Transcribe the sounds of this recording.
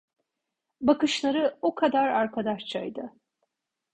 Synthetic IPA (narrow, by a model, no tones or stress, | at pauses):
bakɯʃlˠaɾɯokʰad̪aɾaɾkʰad̪aʃt͡ʃʰajd̪ɯ